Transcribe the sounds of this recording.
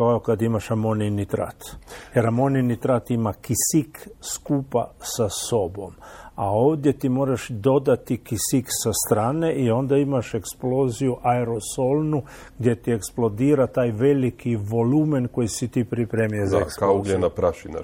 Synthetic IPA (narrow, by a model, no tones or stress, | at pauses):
kaokad̪imaʃamoninit̪ɾa̰t̪jeɾamo̞ninit̪ɾat̪imakisikskuːpa̰saso̞bo̞̰mao̞ːʋd̪je̞t̪imo̞ːɾaʃd̪o̞d̪at̪ikisiksast̪ɾaːne̞ʔio̞nd̪aimaʃe̞ksplo̞ːzijuʔaeɾo̞solnu | ɡd̪je̞t̪ieksplˠo̞d̪iːɾat̪aːjʋe̞likiʋo̞lumenko̞jisit̪ipɾipɾeːmijezaeskaoɡenapɾaʃina̰